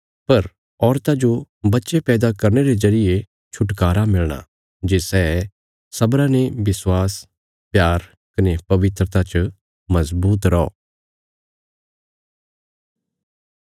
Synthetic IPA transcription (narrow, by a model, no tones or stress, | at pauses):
pɐɾ | ɔːɾt̪ad͡ʒo | bɐtːʃepɛːd̪akɐɾneɾezɐɾɪje | t͡ʃʰʊʈkaːɾamɪlɽ̃a̰ | d͡ʒeːsɛː | sɐbɾãneʋɪswaːs | pjaːɾ | kɐnepɐʋɪt̪ɾət̪at͡ʃ | mɐzbuːt̪ɾɔɔ̰ː